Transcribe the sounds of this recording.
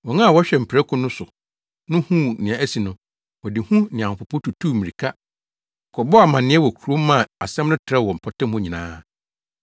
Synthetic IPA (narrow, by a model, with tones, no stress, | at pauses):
wɔ˨ŋã˦˨wɔ˦ɕᶣɛ˨m̩˨pʰi˨ɾɛ˦kʰʊ̃˨nʊ̃˦sʊ˨ | nʊ̃˦hũ˦nɪ̃˨ã˨æ˦si˨nʊ̃˨ | wɔ˨dɪ˨hũ˦nɪ̃˨ã˨hʊ̃˨pʊ˨pʰɔ˦tʰu˨tʰuː˦˨mĩ˨ɾi˨kʰa˦˨ | kʰɔ˨bɔ˦a˨mã˨nɪ̃˦ɛ˦wɔ˨kʰu˨ɾo˦mːã˦˨a˨sɛ̃˦mnʊ̃˦tʰɪɾɛ˦wɔ˨m̩˨pʰɔ˨tɪ̃˦m˦ʊ̃˦ɲĩ˨nãː˦